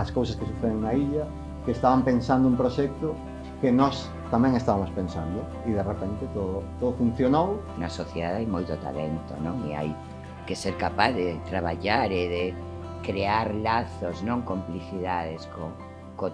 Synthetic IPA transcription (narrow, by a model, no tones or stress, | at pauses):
ɐskowsaskesuθeðeŋnaiʎɐ | keːst̪aβampensand̪ʊumpɾoʃɛk̚t̪o | kenɔs | t̪amɛ̃ŋest̪aβamospẽnsand̪o | iðerepent̪et̪oðʊt̪oðofun̟θjonow | nɐsoθjeðaðajmojt̪ot̪a̰lḛnt̪o̰nõŋḭa̰j | keseɾkapaððet̪ɾaβ̞aʎaɾeðe | kɾeaɾlaθoznõŋkompliθiðaðesko | ko